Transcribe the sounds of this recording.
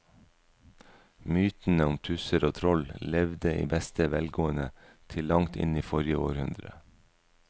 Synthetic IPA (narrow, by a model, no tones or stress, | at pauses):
myːt̪n̩əʊmt̪ʰʉsəɾoːt̪ʰɾɔllɛʋd̪əḭːbɛst̪əʋɛlɡoːənə | t̪ʰɪlːɑŋt̪ɪ̰niːfɔɾjəoːɾhʉnd̪ɾə̰